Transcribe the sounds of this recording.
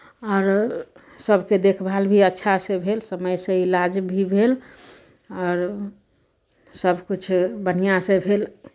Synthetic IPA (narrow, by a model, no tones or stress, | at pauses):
ɔːɾ | səbʱked̪ekʰbʱalbʱiətːʃʰasẽbʱelsəməjsẽilad͡ʒbʱibʱel | ɔːɾ | səbʱkut͡ʃʰbənijasẽbʱel